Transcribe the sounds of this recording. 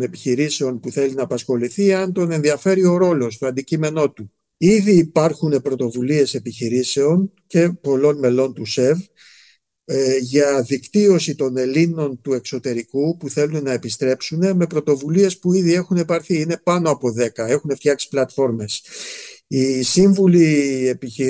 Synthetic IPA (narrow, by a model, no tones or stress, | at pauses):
ne̞piçiɾise̞onpuθe̞linɐːpɐsxo̞liθiɐnt̪o̞ne̞nðiɐfe̞ɾio̞ɾo̞lo̞s̬t̪o̞ɐnd̪icime̞no̞t̪u | iðiːpɐɾxune̞pɾo̞t̪o̞vulie̞se̞piçiɾise̞o̞n | ce̞po̞lo̞nme̞lo̞nt̪use̞v | ʝɐðikt̪io̞sit̪o̞ne̞lino̞nt̪ue̞kso̞t̪e̞ɾikupuθe̞lunnɐepist̪ɾe̞psune̞me̞pɾo̞t̪o̞vulie̞spuiðie̞xunepɐɾθiine̞pɐno̞ɐpo̞ðe̞kɐe̞xune̞ft̪çɐksi̥plɐt̪fo̞ɾme̞s | isiɱvulie̞piçi